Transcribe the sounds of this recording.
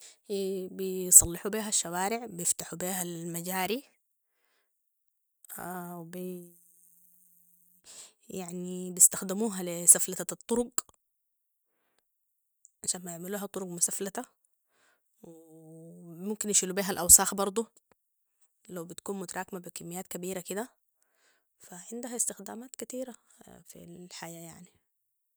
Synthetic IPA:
bisˤɑlːɪħubiːɦaʃːawaːɾɪʕbijɪft̪aħubiːɦalmad͡ʒaːɾi | wbi | jaʕnibɪst̪axd̪imuːɦalisaflat̪at̪ˤːʊɾʊɡ | ʕaʃaːnmajɪʕmɪluːɦat̪ˤoɾʊɡmʊsaflat̪a | we | mʊmkɪnjɪʃilubiːɦalʔawsaːxbɑɾˤd̪ˤu | lawbɪt̪kuːnmʊt̪aɾˤɑːkɪmabɪkamːɪjːaːt̪kabiːɾakɪd̪a | faʕɪnd̪aɦaɪst̪ɪxd̪aːmaːt̪kat̪iːɾafḭlħajaːjaʕni

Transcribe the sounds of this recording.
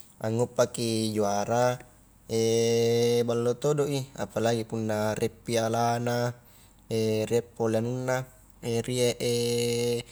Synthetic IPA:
a̰ŋːupːakid͡ʒoaɾa | e | balːot̪odoʔia̰palaɡipunːarʔepːialana | erepːolanunːa | eɾieʔe

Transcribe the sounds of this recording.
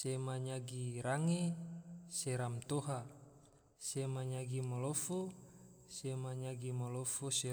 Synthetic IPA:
semaɲaɡiɾaŋe | seɾamt̪oɦa | semaɲaɡimolofo | semaɲaɡimolofose

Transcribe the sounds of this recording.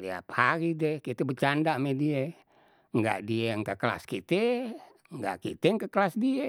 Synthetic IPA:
lia̰phaɾidɛkit̪ɛbət͡ʃandamedie | ŋɡa̰ʔdieŋkəkəla̰skit̪e | ŋɡa̰ʔkḭt̪ɛŋkəkəlasdie

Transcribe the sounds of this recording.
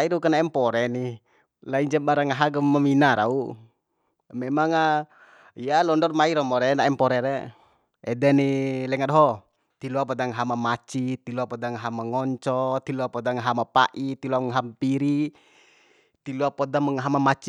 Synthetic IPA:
aiɾukənaɛmpɔɾɛni | laiɲd͡ʒabaɾaŋaɦaɡəmaminaɾa̰u | mɛmaŋa | ijalɔndɔrmaiɾɔmɔɾɛnaɛmpɔɾɛɾɛ | ɛdɛnilɛŋat̪ɦɔ | t̪iluapɔdaŋaɦamamat͡ʃit̪iluapɔdaŋaɦamaŋɔɲt͡ʃɔt̪iluapɔdaŋaɦamapa̰ʔit̪iluamŋaɦampiɾi | t̪iluapɔdaməŋaɦamamat͡ʃ

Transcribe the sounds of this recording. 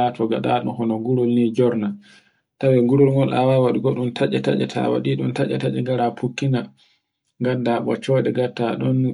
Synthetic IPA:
atɔɡaɗaɗɔhɔnɔɡuɾɔlnid͡ʒɔɾna | tawɛɡuɾolŋɡɔlʔa̰wawaɗuɡɔɗuntʰad͡ʒɛta̰d͡ʒɛ̰tʰa̰wa̰ɗiɗuntaʔɛtad͡ʒɛɡaɾapʰukːina | ŋɡadːaɓɔ̰t͡ʃɔjɗɛɡatːaɗɔn

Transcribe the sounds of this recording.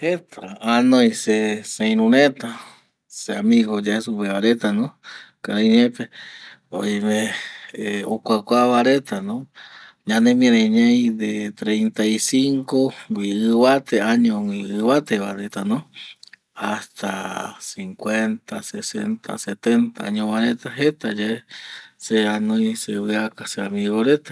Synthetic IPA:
het̪aanõjsesej̃ɾũnẽt̪a | seamĩɣod͡ʒaesupeβaɾet̪anõ | kaɾaɲepeojmẽ | okʷakʷaβaɾet̪ʰanõɲãnemĩɾẽɲẽj̃d̪et̪ɾejnt̪aisiŋkowʷiɨβat̪eaɲowiɨβat̪eβaɾet̪anõ | ast̪a̰siŋkʷent̪asesḛnt̪a̰set̪ent̪aa̰ɲoβaɾet̪aɦet̪ad͡ʒeeseanõjseβɨakaseamĩɣoɾet̪a

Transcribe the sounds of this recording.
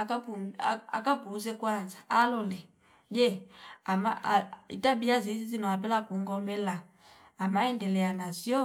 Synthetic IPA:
akapua̰kapuzɛkwanzaalɔlɛ | d͡ʒɛamaḭtabiazizizinɔap̬ɛlakuŋɡɔmbɛlaː | maɛndɛlɛanazjɔ

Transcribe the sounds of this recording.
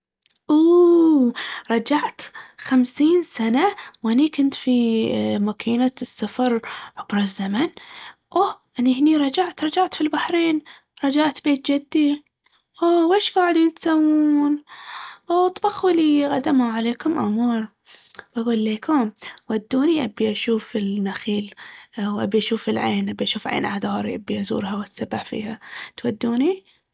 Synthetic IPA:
ʔuː | ɾˤɑd͡ʒaʕt̪xamsiːnsanawʔanikɪnt̪fimakʰiːnasːafɑɾˤʕʊbɾˤɑzːamanʔoʔɪnihɪnːiɾˤɑd͡ʒaʕt̪ɾˤɑd͡ʒaʕt̪filbaħɾeːn | ɾˤɑd͡ʒaʕt̪beːt̪̚d͡ʒɪd̪ːi | ʔoweːʃɡabʕad̪iːnt̪sawːuːnʔt̪ˤbaxuliɣad̪amhaʕaleːkʊmʔamuːɾˤ | baɡuːlːeːkʊmwad̪ːuːniʔabːiʔaʃuːfɪnaxiːlwʔa̰bːiʔaʃuːfɪlʕeːnʔabːiʔaʃuːfʕḛːnʔad̪ɑːɾˤiʔabːiʔazṵːɾhawat̪sabːaħfḭːhat̪wad̪ːuːni

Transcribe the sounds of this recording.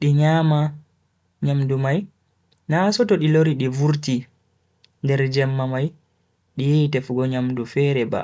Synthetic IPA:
ɗiɲama | ɲamdumaj | nasɔtɔɗiloɾiɗivuɾti | ndɛɾd͡ʒɛmːamaj | ɗitɛfuɡɔɲamdufɛːɾɛba̰

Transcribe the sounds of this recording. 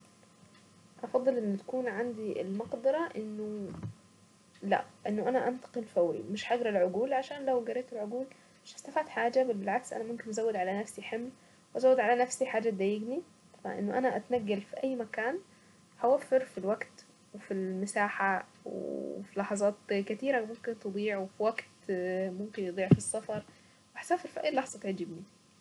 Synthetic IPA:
ʔɑfɑd̪ˤːelʔenːʊt̪æ̥kuːnʕand̪iʔelmɑqd̪ɑɾˤɑʔenːo | læ̰ʔʔenːoʔænæʔænt̪ɑ̥qelfæwɾḭmɪʃħæɡɾelʕoɡuːlʕaʃæːnlæwɡæɾːeːt̪elʕoɡuːl | meʃhæst̪æfaʕt̪ħaːd͡ʒæbbelʕaksʔæ̰næmomkenʔæzæwːɪd̪ʕalænæfsiħeml | weʔæzæwːed̪ʕalænæfsiħaːd͡ʒːæd̪æːjeɡni | fæ̰ʔɪ̰nːoʔænæʔæt̪næɡːælfiʔæjːmækaːn | hæwæfːeɾfilwæɡt̪ | wefilmɪsaːħawḛfilɑħɑzˤɑːt̪kæt̪iːɾæmomkent̪ɨd̪ˤiːʕwefiwæɡt̪momkenjɑd̪ˤiːʕfisːɑfɑɾˤ | weħasæːfeɾfiʔæjːlɑħzˤɑt̪ʕd͡ʒɪbni

